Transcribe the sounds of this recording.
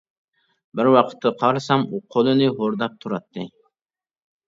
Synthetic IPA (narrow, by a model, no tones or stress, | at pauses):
bɪɾwɑqʰə̥t̪ʰːɑqʰɑɾsɑmuqʰolˠɨnɨɦoɾd̪ɑp̚t̪ʰuɾɑt̪ʰːɨ